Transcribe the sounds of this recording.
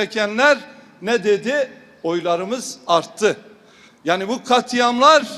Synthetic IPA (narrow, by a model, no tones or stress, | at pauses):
ɛcʰænlʲæɾ | nɛd̪e̞d̪i | o̞jlˠaɾɯmɯzaɾt̪ʰːɯ | jaːnibukʰat̪ʰɯjamlˠaɾ